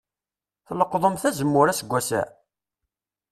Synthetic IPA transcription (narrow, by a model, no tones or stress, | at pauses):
θləqːðˤəmθæzəmːʊɾæsəɡʷːæsæ̰